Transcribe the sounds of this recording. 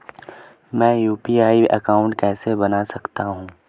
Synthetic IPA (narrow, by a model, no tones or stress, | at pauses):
mɛ̃ːjuːpiːaːiɐ̰kaːʊ̃ɳʈkɛːsebɐnasɐkt̪aɦũː